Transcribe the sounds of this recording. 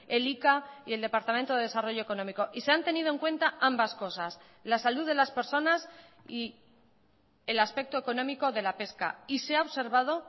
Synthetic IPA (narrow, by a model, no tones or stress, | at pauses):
e̞likaie̞ld̪e̞paɾt̪amẽnt̪oðeðe̞saro̞ʝo̞e̞ko̞nõ̞miko̞ʔise̞ant̪e̞niðoeŋkwe̞nt̪aʔambasko̞sas | lasaluðe̞laspe̞ɾso̞nas | i | elaspe̞k̚t̪oeko̞nõ̞miko̞ðe̞lape̞ska̰iseaoβse̞ɾβ̞að̞o̞